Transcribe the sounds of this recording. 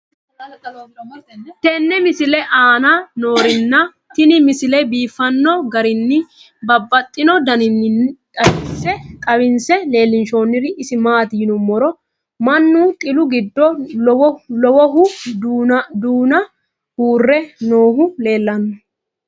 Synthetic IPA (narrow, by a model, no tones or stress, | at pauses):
t̪ɛnːɛmɪsɪlɛʔaːnɐno̞ːɾɪnːɐ | t̪ɪnɪmɪsɪlɛbiːfːɐnːɔɡɐɾɪnːɪ | bɐbːɐt̪ʼːɪnɔd̪ɐnɪnːkʼɐɪsːɛkʼɐbɪnsɛle̞ːlːɪnʃoːnːɪɾɪʔɪsɪmaːt̪ɪjɪnʊmːɔɾɔ | mɐnːut̪ʼɪlʊɡɪd̪ːɔwlɔwɔɦʊ | d̪uːnɐ | huːrːɛnoːɦʊle̞ːlːɐnːɔ